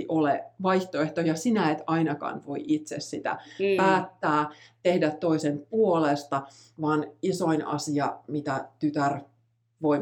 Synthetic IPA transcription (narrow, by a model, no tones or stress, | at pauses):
ʔoleʋɑiht̪oeht̪ojɑsinæet̪ɑinɑkɑ̰ːnʋoiʔit̪sessit̪æ̰æːt̪ːæːt̪ehdæt̪tːoisempuolest̪ɑ | ʋɑːnisoinɑ̰siɑmit̪æt̪yt̪ær | ʋoi